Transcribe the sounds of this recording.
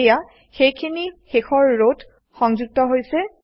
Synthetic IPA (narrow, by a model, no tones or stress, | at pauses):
ja | xejkʰinixexɔɹːod | xɔŋzuɡ̚tɔɦojsɛ